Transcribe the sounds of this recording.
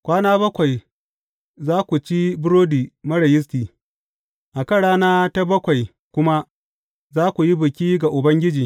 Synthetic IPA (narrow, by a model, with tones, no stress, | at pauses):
kʷaː˦naː˦bɐ˦kʷa˨j | zaː˦kʷu˨t͡ʃi˦bʊ˦ɾoː˦diː˨mɐ˦ɽɐ˨jɪ˦s̬tiː˨ | ʔa˨kɐ˦ɽaː˦naː˦ta˦bɐ˦kʷa˨j | kʷʊ˦ma˦ | zaː˦kʷu˨ji˦bʊ˨kʲiː˦ɡa˨ʔʊ˨bɐ˦ŋɡʲɪ˦d͡ʒiː˨